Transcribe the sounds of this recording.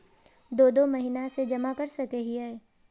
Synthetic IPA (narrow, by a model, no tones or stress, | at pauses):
d̪oːd̪omɐɦinased͡ʒɐmakɐɾsɐkeɦiaːe